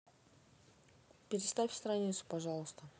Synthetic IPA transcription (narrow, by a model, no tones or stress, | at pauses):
pʲɪɾʲɪst̪afʲst̪ɾɐnʲit̪sʊ̥pɐʐɑlˠəst̪ə